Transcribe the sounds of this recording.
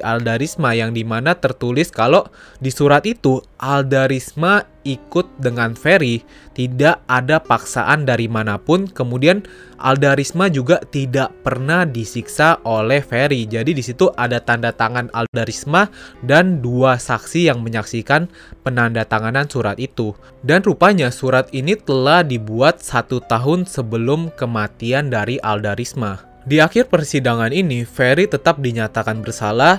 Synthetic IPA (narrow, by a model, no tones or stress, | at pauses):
aldaɾismajaŋdimanat̪ərt̪ulɪskalodisuɾat̪it̪uʔaldaɾisma | ikʊt̪̚dəŋanfeɾi | t̪idaʔadapaksa̰ʔandaɾimanapʊnkəmudian | ʔa̰ldaɾismad͡ʒuɡat̪idaʔpərnahdisiksaʔolɛhfeɾid͡ʒadidisit̪uʔadat̪andat̪aŋana̰ldaɾismadanduasaksijaŋməɲaksikan | pənandat̪aŋanansuɾat̪it̪u | danrupaɲasuɾat̪̚init̪əlahdibuat̪̚sat̪ut̪aɦʊnsəbəlʊmkəmat̪iandaɾiʔaldaɾisma | diaxɪrpərsidaŋaninifeɾit̪ət̪ap̚diɲat̪akanbərsala